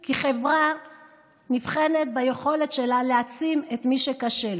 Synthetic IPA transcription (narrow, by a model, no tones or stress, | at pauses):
kiχe̞vʁa | nifχe̞net̪̚bajeχo̞le̞t̪ʃe̞laleat͡simet̪miʃekaʃe̞l